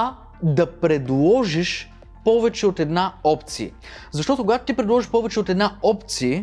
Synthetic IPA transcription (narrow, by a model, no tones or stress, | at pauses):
a | d̪ɐpɾɛd̪lˠɔʒiʃ | pɔvɛt͡ʃɛot̪ɛd̪naɔpt̪siə | zɐʃt̪ɔt̪okoɡat̪o̥t̪ipɾɛd̪lˠɔʒiʃpɔvɛt͡ʃɛot̪ɛd̪naɔpt̪siə